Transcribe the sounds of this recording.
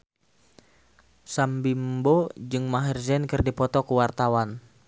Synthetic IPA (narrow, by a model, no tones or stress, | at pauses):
sambimbod͡ʒɨŋmaɦɛrzɛnkɨrdipɔt̪ɔkuwart̪awan